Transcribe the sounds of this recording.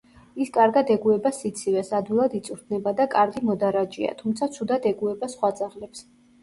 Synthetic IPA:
iskʼaɾɡad̪ɛɡuɛbasit̪sʰivɛsad̪wilˠad̪it̪sʼuɾt̪̚ʰnɛbad̪akʼaɾɡimɔd̪aɾad͡ʒia̰t̪ʰumt̪sʰat̪sʰud̪ad̪ɛɡuɛbasχwad̪zʼaʁlɛps

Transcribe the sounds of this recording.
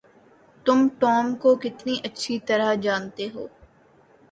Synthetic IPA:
t̪ʊmʈɔːmkokɪt̪niʔɐtːʃʰit̪ɐɾad͡ʒaːnt̪eɦoː

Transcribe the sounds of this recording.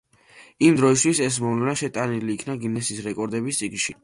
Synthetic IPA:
imd̪ɾɔis̬t̪ʰwisɛs̬mɔvlɛnaʃɛt̪ʼaniliːkʰnaɡinɛsisɾɛkʼɔɾd̪ɛbist̪sʼiɡnʃi

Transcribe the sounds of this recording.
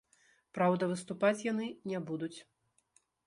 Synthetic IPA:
pɾawd̪ɐvɨst̪upat͡sʲjan̪ɨnʲɛbud̪ut͡sʲ

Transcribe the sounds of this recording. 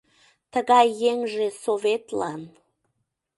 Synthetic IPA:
t̪əɣɑjːeŋʒesovet̪lɑn

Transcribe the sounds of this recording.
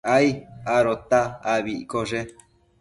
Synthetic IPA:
ajaɾot̪aːβikoʐe

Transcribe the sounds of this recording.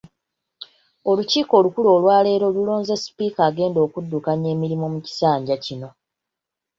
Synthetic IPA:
o̞luciːko̞ːlukulo̞ːlwaːle̞ːɾo̞lulo̞ːnze̞si̥piːkaːɡe̞ːndo̞ːkudːukaɲe̞ːmiɾimomuci̥saːɲɟacino̞

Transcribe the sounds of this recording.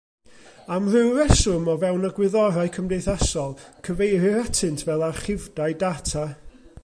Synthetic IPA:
amrɪwɾɛsʊmɔvɛwnaɡwɪðɔɾaɨkʰəmdejθasɔlˠkʰəvejɾɪɾatʰɨntʰvɛlˠaχɪvdaɨdatʰa

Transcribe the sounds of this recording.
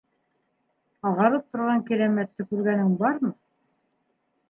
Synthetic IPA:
ɑʁɑɾɤp̚t̪ŏɾʁɑŋkiɾæmæt̪ːɘkʉɾɡænɘŋbɑɾmɤ

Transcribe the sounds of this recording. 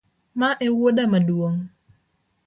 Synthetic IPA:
maʔewodamaduwoŋ

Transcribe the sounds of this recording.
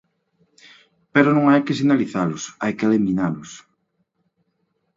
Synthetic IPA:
peɾonõŋajkɪsinaliθalʊsa̰jkeliminalʊs

